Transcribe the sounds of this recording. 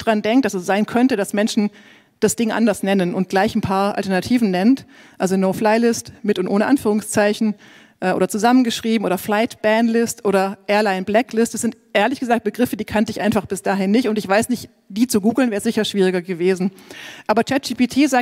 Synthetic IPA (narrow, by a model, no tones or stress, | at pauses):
d̥aʁandɛŋk̚t̚d̥asɛsz̥aɪnkʰœntədasmɛnʃn̩ | d̥asd̥ɪŋʔa̰ndɐsnɛnənʊnt̚ɡ̥laɪçn̩pʰaːɐʔa̰ltɛɐnatʰiːvn̩nɛnt | ʔalzonoʊflaɪlɪstmɪtʊntʔoːnəʔanfyːʁ̞ʊŋst͡saɪçn̩ | ʔɛːʔo̰ːdɐt͡suzamənɡəʃʁ̥iːbm̩ʔoːdɐflaɪtb̥ɛnlɪstʔoːɾɐʔɛːɐlaɪnblɛklɪstɛsɪntʔeːɐlɪçɡ̥əzaːk̚t̚b̥əɡʁɪfədiːkʰantəɪçʔa̰ɪnfaχb̥ɪsd̥aːɦɪnːɪçtʊntɪçv̥aɪsnɪçt | d̥iːt͡suɡuːɡl̩nvɛːʁəz̥ɪçɐʃv̥iːʁ̞ɪɡɐɡəveːzn̩ | ʔaːbɐt͡ʃɛt̚d͡ʒiːpitʰiːzaː